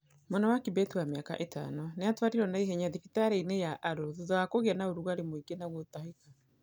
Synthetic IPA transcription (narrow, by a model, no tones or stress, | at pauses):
mɔnawakibɛtuwameaka̰ʔetʰa̰nɔneatwaɾiɾɔnaeɦɛɲaðifitaɾeinejaʔaɾoðoðɔakoɣeanaoɾuɣaɾemoiɡenaɣotaheka